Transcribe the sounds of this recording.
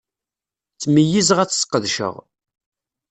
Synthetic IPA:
t͡sːməjizʁæt͡sːsqːəðʃə̰ʁ

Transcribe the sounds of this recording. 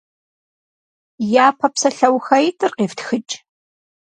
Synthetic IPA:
jaːpʰɐpsɐɬɐwxɐjtʰɨrqeːftxɨt͡ʃʼ

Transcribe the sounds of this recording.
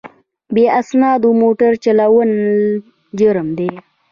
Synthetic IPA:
beasnɑːd̪umoʈəɾt͡ʃalawən | d͡ʒəɾəmd̪e

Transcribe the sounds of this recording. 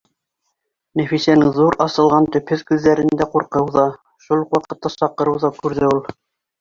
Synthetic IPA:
næfisænɘŋðuɾɑsɤ̆lˠʁɑnt̪ɵ̆phɵðkʉðːæɾɘ̆nd̪æquɾqɤwðɑ | ʃulˠqwɑqɤ̆t̪ːɑsɑqɤ̆ɾɤ̆wðɑkʉɾðɘulˠ

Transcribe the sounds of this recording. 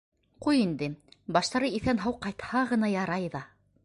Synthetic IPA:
qujind̪ɘbɑʃt̪ɑɾɤiθænɦɑwqɑjt̪hɑʁɤ̆nɑjɑɾɑjðɑ

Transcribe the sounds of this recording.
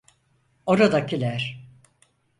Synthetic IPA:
o̞ɾad̪acʰilʲæɾ̥

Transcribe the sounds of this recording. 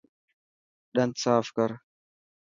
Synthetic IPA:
ɗant͡saːfkaɾ

